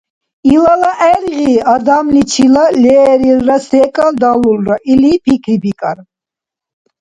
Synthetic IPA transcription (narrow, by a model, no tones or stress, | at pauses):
ilalaʔɛɾʁiːad̪amlit͡ʃʰilalɛːɾilːasɛːkʼald̪alulɾaʔilipʰikʰɾibikʼaɾ